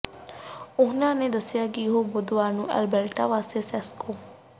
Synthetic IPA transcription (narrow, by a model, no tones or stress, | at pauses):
ʊnãːneːd̪əsːɪjaːkɪjɦoːbʊd̪ʋaːnũːɛ̰lbɛlʈaːʋaːst̪eːsɛːskʰoː